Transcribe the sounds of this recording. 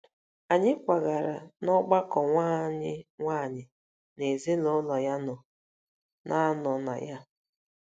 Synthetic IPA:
a˨ɲɪ˦kʷa˨ɡa˨ɾa˨nɔ˦ɡ͡ba˦kɔ˨ŋʷa˦ɲɪ˦ŋʷaː˦˨ɲɪ˨ | ne˨zi˦lo˨˦lɔ˨ja˦nʊ˨ | nʔa˦nɔ˨na̰˨ja˦

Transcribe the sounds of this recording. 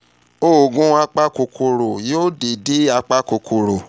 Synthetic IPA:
o˦˨ɡũ˦a˧k͡pa˦ko˨kʰo˨ɾo˨jo˦de˨de˨˦a˧k͡pa˦ko˨kʰo˨ɾo˨

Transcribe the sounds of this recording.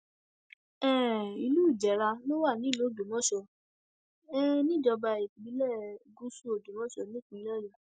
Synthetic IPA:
ɛ̃˦˨i˧lu˦˨d͡ʒɛ˨˦ɾa˧no˦wa˦˨nĩ˨˦˨lo˨˦˨do˨mɔ̃˦ʃɔ˧ | ɛ˦nĩ˦˨d͡ʒɔ˧ba˧e˨ki˨bi˨˦lɛ˦˨ɡu˦su˦o˨do˨mɔ̃˦ʃɔ˧˨nĩ˦k͡pĩ˨˧˦lɔ˦˨ja˨˦

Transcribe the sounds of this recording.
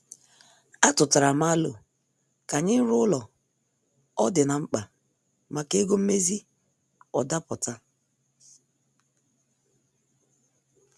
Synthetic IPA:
a˦tʊ˨ta˨ɾa˨ma˦lʊ̰˨ | ka˨ɲɪ˦n̩˦ɾʊ˦ʊ˦lɔ˨ | ɔ˦dɪ˨na˨ŋ͡m̩˦k͡pa˨ | ma˨ke˦ɡo˦m̩˦me˦zi˦ | ɔ˨da˦pʊ˨ta˦

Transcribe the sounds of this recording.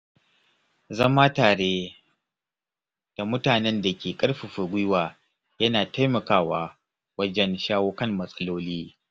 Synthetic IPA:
zɐ˦maː˦taː˨ɽeː˦ | d̥a˨mʊ˦taː˨nɛ˦nda˨kʲeː˨kʼɐ˦ɽɸi˨ɸɐ˨ɡʷʊ˦waː˨ | jɐ˦naː˨ta˦jmɐ˨kaː˦waː˦ | wɐ˦d͡ʒɛ˦nʃaː˦woː˦kɐ˦˨mːɐ˨sʼɐ˦loː˦liː˦

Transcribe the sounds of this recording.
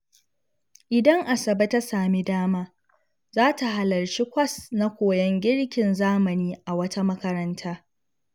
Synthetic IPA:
ʔɪ˨dɐ˦ŋʔa˨sɐ˨bɐ˦ta˦saː˨mi˦daː˦maː˦ | zaː˦ta˨ɦa˨lɐ˨ɾt͡ʃi˦kʷɐ˦sna˦kʷoː˨jɐ˦ŋɡʲɪ˦ɽkʲɪ˨nzaː˦mɐ˨niː˦ʔa˨wɐ˦ta˦mɐ˦kɐ˦ɾɐ˦ntʰaː˦

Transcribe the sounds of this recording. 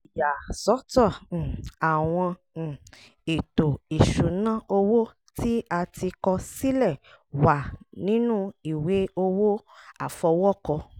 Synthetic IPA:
i˨ja˨sɔ˨˦tɔ̃˦˨a˨w̃ɔ̃˧˨ | e˨to˨i˨ʃũ˨˦nã˦o˧wo˦ | ti˦a˧tʰi˧kɔ˧si˦lɛ˦˨ | wa˨nĩ˨˦nũ˦i˦˨we˨˦o˧wo˦ | a˦˨fɔ˧wɔ˦kɔ˧

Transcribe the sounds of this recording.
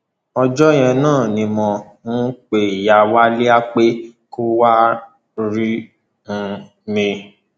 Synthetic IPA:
ɔ˧d͡ʒɔ˦j̃ɛ̃˧nãː˦˨nĩ˧mɔ̃˧ | ũ˦k͡pe˨i˨ja˨wa˦le˦a˦k͡pe˦ko˦wa˦ | ɾi˦ | ñ̩˧ | mĩ˧

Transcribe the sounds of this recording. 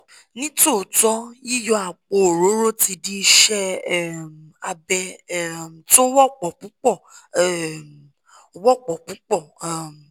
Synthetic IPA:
nĩ˦to˦˨tɔ˨˦i˦jɔ˧a˨k͡po˧o˨ɾo˨˦ɾo˦ti˧di˧ʃɛ˦˨ | a˧bɛ˧˨ | to˦wɔ˦k͡pɔ˨pũ˨˦k͡pɔ˦˨˦ | wɔ˦˨k͡pɔ˨pũ˨˦k͡pɔ˦˨

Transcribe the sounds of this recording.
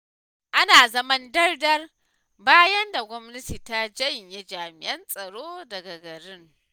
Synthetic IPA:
ʔa˦naː˨zɐ˦mɐ˦ndɐ˦rdɐ˦r | baː˦jɐ˦nda˨ɡʷɔ˦mnɐ˦tiː˨ta˦d͡ʒɐ˦jɲje˦d͡ʒaː˨mɪ̰˨ʔɐ˦nsʼɐ˨ɽoː˦dɐ˨ɡa˨ɡɐ˨ɽɪ˦ŋ

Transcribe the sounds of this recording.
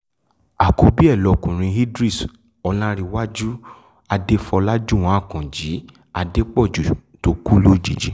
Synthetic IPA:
a˨ko˧bi˦ɛ˦˨lɔ˨kũ˨ɾ̃ĩ˧hi˦dɾi˦˨s | ɔ˧lã˦ɾi˧wa˦d͡ʒu˦ | a˧de˦fɔ˧la˦d͡ʒu˦˨w̃ã˨˦a˦˨kã˨d͡ʒi˨˦ | a˧de˦k͡pɔ˦˨d͡ʒu˨to˨˦ku˦lo˦˨d͡ʒi˨d͡ʒi˨˦

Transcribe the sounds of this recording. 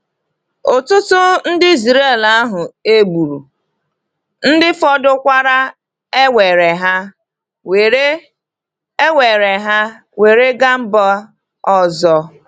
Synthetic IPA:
ʊ˨tʊ˦tʊ˦n̩˦dɪ˦i˦zɾe˦˨la˦ɦʊ˨e˦ɡ͡bu˨ɾu˨ | n̩˦dɪ˦fɔ˦dʊ˦kʷa˦ɾa˦ | e˦we˨ɾe˨ɦa˦ | we˨ɾe˦ | e˦we˨ɾe˨ɦa˦ | we˨ɾe˦ɡa˦m̩˦bɔ˦ | ɔ˦zɔ˦

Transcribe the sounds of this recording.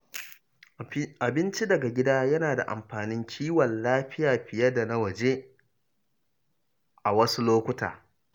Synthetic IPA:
ʔa˨bɪ˦nt͡ʃi˦dɐ˨ɡa˨ɡʲɪ˦daː˦jɐ˦naː˨da̰˨ʔa̰˨mɸaː˨nɪ˦ŋkʲʰiː˦wɐ˨nlaː˦ɸɪ˦jaː˨ɸɪ˨jɐ˦da˨na˦wɐ˨d͡ʒe˦ | ʔa˨wɐ˦su˦loː˦kʷʊ˦ta̰ː˨

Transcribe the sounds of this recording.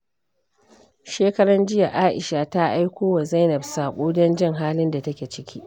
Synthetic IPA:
ʃeː˦kɐ˦ɽɐ˦nd͡ʒɪ˦ja˨ʔaː˦ʔɪ˨ʃa˨ta˦ʔa˦jkʷoː˦wa˨za˦jnɐ˨bsaː˨kʷʼuː˦dɐ˦nd͡ʒɪ˦ŋɦaː˦lɪ˦nda˨tɐ˦kʲeː˨t͡ʃɪ˦kʲiː˦ʔ

